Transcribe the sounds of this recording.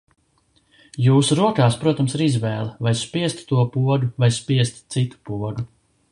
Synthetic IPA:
juːsuɾuɔkaːspɾuɔt̪amsiɾizvɛːlˠvajspiɛst̪t̪uɔpuɔd̪uvajspiɛst̪sit̪u̥puɔɡu

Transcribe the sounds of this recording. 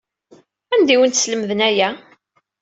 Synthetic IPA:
ænd̪iwənt̪sləmðənæjæ

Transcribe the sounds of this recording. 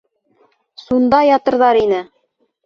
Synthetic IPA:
sund̪ɑjɑt̪ɤ̆ɾðɑɾinɘ

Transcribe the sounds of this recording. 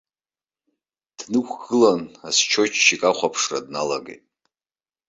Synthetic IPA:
d̥nɨkʷʰɡɨlanast͡ʃʰot͡ʃʰʃikʼaχʷapʰʂra̰dnalaɡḛjtʼ

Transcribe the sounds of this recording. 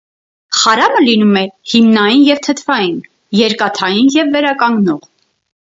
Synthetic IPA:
χɑɾɑməlinumɛhimnɑjinjɛvt̪ʰət̪ʰvɑjin | jɛɾkɑt̪ʰɑjinjɛvːɛɾɑkɑŋɡnɔʁ

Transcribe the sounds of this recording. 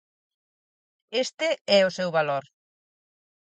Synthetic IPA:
est̪ɪɛʊsewβaloɾ

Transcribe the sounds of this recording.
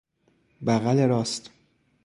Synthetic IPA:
bæɣæleɾɒːst̪

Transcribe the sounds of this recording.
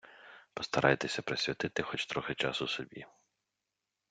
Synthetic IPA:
pɔst̪ɐɾʔɑjt̪esʲɐpɾesʲʋʲɐt̪ɪt̪ɪxɔt͡ʃt̪ɾɔxet͡ʃɑsʊsɔbʲi

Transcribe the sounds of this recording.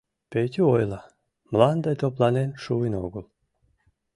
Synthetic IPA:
pʲejt̪ʲyojlˠɑ | mlˠɑnd̪ɑjt̪oplˠɑnenʃuʋinoɡolˠ

